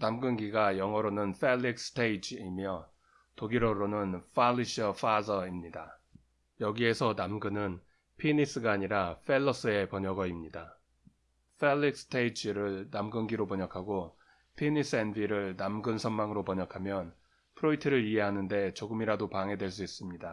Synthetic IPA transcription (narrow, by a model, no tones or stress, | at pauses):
namɡɯnɡiɡajʌŋʌɾonɯnɸʰe̞lːikstʰeid͡ʑʰimjʌ | toɡiɾʌɾonɯnfalːiɕʰʌfʰasʌimɲida | jʌɡie̞sʰʌnamɡɯnɯn | pʰinis͈ɯɡaːɲiɾaɸʰe̞ɭːʌs͈ɯe̞pʌɲʌɡʌimɲida | pʰelːikstʰeid͡ʑʰiɾɯɭnamɡɯnɡiɾopʌɲʌkʰaɡo | pʰinis͈ʰɯenbiɾɯɭnamɡɯnsʰʌnmaŋɯɾopʌɲʌkʰamjʌn | pʰɯɾoitʰɯɾɯɭiɦeɦanɯnde̞t͡ɕoɡɯmiɾadopaŋɦe̞dwe̞ɭs̬͈uis͈ɯmɲida